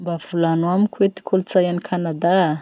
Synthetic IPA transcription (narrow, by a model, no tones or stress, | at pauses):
mbav̥ulanuamikʰwet̪i̥kʰolut͡sajanikʰanad̪a